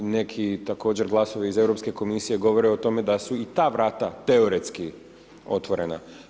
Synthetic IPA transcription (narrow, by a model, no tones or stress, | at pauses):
ne̞kʰit̪ako̞ːd͡ʑe̞ɾɡlˠaso̞ʋiize̞ʋɾo̞pske̞ko̞misije̞ɡo̞ʋo̞ɾeot̪o̞me̞d̪asuit̪aːʋɾaːt̪at̪e̞o̞ɾet̪ski | o̞̰t̪ʋo̞ɾe̞̰na̰